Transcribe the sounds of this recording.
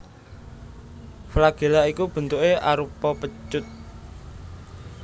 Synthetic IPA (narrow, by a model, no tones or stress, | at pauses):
flaɡ̥e̤laikub̥ə̤nt̪uʔeʔa̰ɾupɔpə̥d͡ʒʊt̪̚